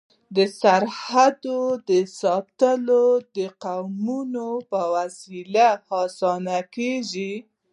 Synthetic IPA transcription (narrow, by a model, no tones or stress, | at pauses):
d̪əsaɾhad̪od̪əsɑt̪əlod̪əqawmunopəwasilahɑsɑnakeʒi